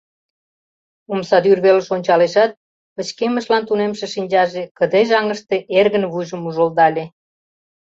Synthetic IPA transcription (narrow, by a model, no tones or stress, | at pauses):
umsɑd̪yrβeləʃonʲt͡ɕɑleʃɑt̪̚ | pə̆t͡ɕkeməʃlɑnt̪unemʃeʃinʲd͡ʑɑʒekə̆d̪eʒɑŋəʃt̪eʔerɣənβujʒəmuʒold̪ɑlʲe